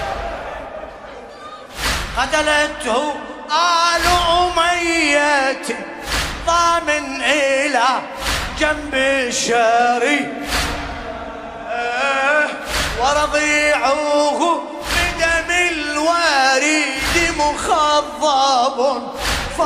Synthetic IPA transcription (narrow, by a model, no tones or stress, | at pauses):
qɑt̪alat̪hʊʔaːlʊʕʊmajːat̪ | t̪ˤɑːmɪnʔɪlaː | d͡ʒambɪʃaɾi | wɑɾˤɑðˤiːʕʊhʊ | bɪd̪amɪlwaːɾid̪ɪmʊxɑðˤːɑb | f